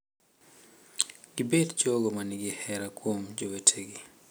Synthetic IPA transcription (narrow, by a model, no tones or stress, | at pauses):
ɡ̥ibedd͡ʒoɡomaniɡɪhɛɾakwomd͡ʒowetʰeɡi